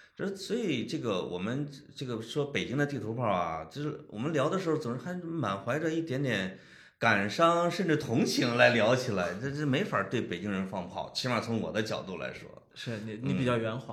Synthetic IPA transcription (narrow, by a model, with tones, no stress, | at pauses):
ʈ͡ʂswɔ˧˥i˨˩ʈ͡ʂɤ˥˩ɡə˩wʔɔ̰˨˩mə˦nʈ͡ʂɤ˥˩ɡə˩ʂwɔ˥pe˨˩ɪt͡ɕi˥ŋd̪ə˧t̪i˥˩t̪ʰu˧˥pʰɑ˥˩a̰˩t͡ɕo˥˧ʂɻ̩˥˩˥wɔ̰˨˩mə˦nljɑ˧˥ʊd̪ə˧ʂɻ̩˧˥xo˧t͡sʊ˨˩ŋɻ̩˥a˧˥ma˨˩nxwa˧˥ɪʈ͡ʂə˧i˥˩t̪jɛ˧˥nt̪jɛ˨˧˩n | ka˨˩nʂɑ˥ŋʂə˥˧nʈ͡ʂɻ̩˥˩t̪ʰʊ˧˥ŋt͡ɕʰi˧˥ŋla˧˥ɪljɑ˧˥ʊt͡ɕʰi˨˩la˧˥ɪt̪me˧˥ɪfa˨˩t̪we˥˩ɪpe˨˩ɪt͡ɕi˥ŋɻə˧˥nfɑ˥˧ŋpʰɑ̰˥˩ʊt͡ɕʰi˥wa˥˩t͡sʰʊ˧˥ŋwɔ̰˨˩d̪ə˦t͡ɕjɑ˨˩ʊt̪u˥˩la̰˧˥ɪʂwɔ̰˥ | ʂɻ̩˥˩ni˧˩˥ni˧˥˩pi˨˩t͡ɕjɑ˥˩ʊɥɛ˧˥nxwa̰˧˩˦